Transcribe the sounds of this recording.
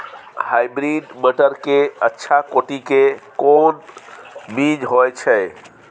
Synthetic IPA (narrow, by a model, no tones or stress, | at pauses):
hajbɾiɖbəʈəɾkeətːʃʰakoʈikekon | bid͡ʒɦojt͡ʃʰɛ